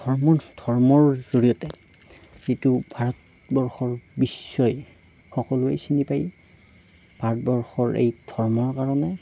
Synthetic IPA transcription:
dɔɹmɔdʱɔɹmɔɹzoɹijɔtɛ | z̥itʊbʱaɹɔt | bɔɹxɔɹbisːɔj | xɔkɔlʊejsinipaj | b̥ʱaɹɔtbɔɹxɔɹḛjd̥ʱɔɹmɔɹkaɹɔnɛ

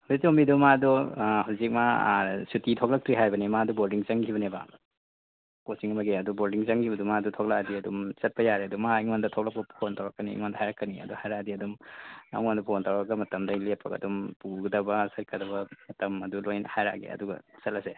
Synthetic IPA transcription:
hawzik̚sumidumadɔhawzik̚masutitʰɔk̚lak̚tɾiɦajbɐnimaːduboldiŋt͡ʃɐŋkʰibɐneba̰ | kosiŋɐmaɡeɐduboldiŋt͡ʃɐŋɡʰibɐdumadutʰɔk̚lakdiɐdumt͡ʃɐt̚pɐjaɾeɐdumaiŋandɐtʰɔk̚lak̚pɐpʰontawɾakːanḭːŋwandɐɦajɾakːaniɐ̰duhajɾadiɐdumaiŋwandɐpʰontawɾakɡɐmɐtɐmdɐilepʰːɐɡɐ̰dumpuɡɐdɐbɐsaɾkʰadɐbɐmɐtɐmɐdulojnhajɾa̰ɡḛɐ̰duɡɐ̰sɐlase

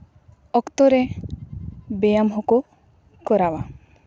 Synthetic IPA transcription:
ɔkt̪ɔɾɛ | bejamɦɔko | kɔɾawa

